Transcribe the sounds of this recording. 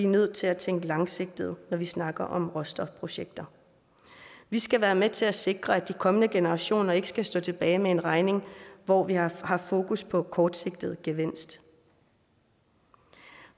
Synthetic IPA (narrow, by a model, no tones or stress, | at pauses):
inøð̞̰ˠt͡sʰe̝læt͡sʰeŋ̰ɡ̥əlɑ̈ŋse̝ɡ̥̚d̥ð̞̩ˠnɒʋisnɑ̈ɡ̥ɐʔɒ̽mʁɔ̽sd̥ɒ̽fpʰʁo̝ɕeɡ̥̚d̥ɐ | ʋisɡ̥æʋæːɐmet͡sʰe̝læse̝ɡ̥ʁɐæd̥ikʰɒ̽mənəɡ̥e̝nəʁɑ̈ɕo̝̰ːnɐe̝ɡ̥ə̥sɡ̥æsd̥ɔ̰̽ːt͡sʰe̝b̥ɛːɪmee̝nʁɑ̈ɪne̝ŋʋɒʋihɑ̈fo̝ːkuspʰɒ̽kʰɒːd̥se̝ɡ̥̚d̥ð̞̩ˠɡ̥eʋen̰sd̥